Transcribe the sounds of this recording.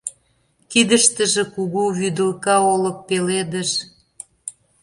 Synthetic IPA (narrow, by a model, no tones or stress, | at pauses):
kid̪əʃt̪ə̆ʒĕkuɣuβyd̪ə̆lkɑolə̆k̚peled̪ə̆ʃ